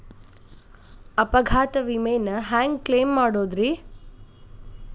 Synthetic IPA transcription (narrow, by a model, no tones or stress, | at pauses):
ɐpɐɡʱaːt̪ɐʋimejnɐɦaːŋɡkleːmːaːɽoːd̪ɾi